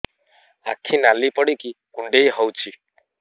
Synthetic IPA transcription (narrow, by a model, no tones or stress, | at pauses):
a̰kʰinalipɔɽikikuɳɖejɦɔwt͡ʃʰi